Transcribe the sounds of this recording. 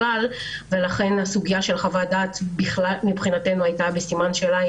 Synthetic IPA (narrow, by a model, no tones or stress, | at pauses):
al | ve̞laχe̞nhasuɡijaʃe̞lχavadaːt̪biχlalmibχinatenuajtabesimanʃela